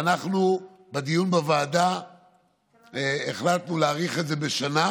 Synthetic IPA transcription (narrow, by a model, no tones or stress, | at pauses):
naχnu | bed̪ijunbevaːda | eχlat̪nuleaʁiχetzebeʃana